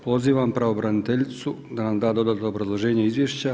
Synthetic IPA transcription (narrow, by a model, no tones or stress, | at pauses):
po̞ziːʋampɾaobɾanit̪eʎit̪su | d̪anamd̪aːd̪o̞d̪aːt̪oobɾazlˠo̞ʒe̞ːɲeizʋjeːʃt͡ɕa